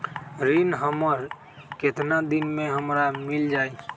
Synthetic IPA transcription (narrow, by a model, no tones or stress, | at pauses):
ɾinɦəməɾ | ket̪nad̪inmeɦəmɾamild͡ʒai